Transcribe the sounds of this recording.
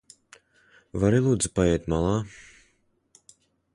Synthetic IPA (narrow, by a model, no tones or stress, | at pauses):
vaɾilˠuːd̪zupajɛjt̪malˠaː